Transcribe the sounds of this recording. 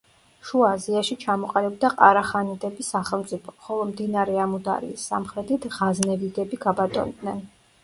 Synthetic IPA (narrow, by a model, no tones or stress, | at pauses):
ʃuaːziaʃit͡ʃʰamɔqʼalɛb̚d̪aqʼaɾaχanɛd̪ʰʼɛbisaχɛlˠmt̪sʼipʰɔ̥χɔlˠɔmd̪inaɾɛamud̪a̰ɾḭːsːa̰mχɾɛt̪ʰit̪ʰʁaznɛvid̪ɛbiɡabat̪ʼɔ̰nd̪nɛn